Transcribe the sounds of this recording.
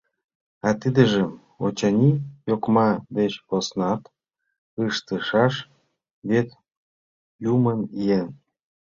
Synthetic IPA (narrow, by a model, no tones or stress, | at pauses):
ɑt̪id̪ə̆ʒĕm | ot͡ɕɑnʲijokmɑd̪et͡ɕosnɑt̪ | ɯʃt̪əʃɑʃ | βet̪ | jumənijen